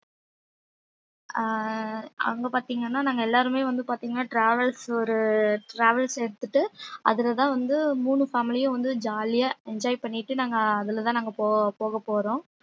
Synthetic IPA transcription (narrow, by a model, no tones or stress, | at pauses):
ɐ̰ŋɡɐpaːɾt̪iːŋɡɐnːaːnaːŋɡɐɛlːaːɾɯmeːʋɐnd̪ɯpaːɾt̪iːŋɡɐnːaːʈɾaːʋɛlsɔɾɯʈɾaːʋɐlsɛɽɯt̪ːɯʈːɯʔɐ̰ðɪlɐt̪ãːʋɐnd̪ɯmuːɳɯfaːmɪlɪjɐ̃ʋɐnd̪ɯd͡ʒaːlɪjaːɛɲd͡ʒaːjpɐɳːɪʈːɯnaːŋɡɐɐðɪlɐt̪ãːnaːŋɡɐpoːpoːɣɐpːoːɾõː